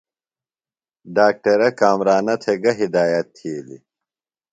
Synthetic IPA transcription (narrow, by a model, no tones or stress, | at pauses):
ɖaːk̚ʈɐɾɐkaːmɾaːnɐt̪ʰeɡɐɦid̪aːjɐt̪ʰːiːlḭ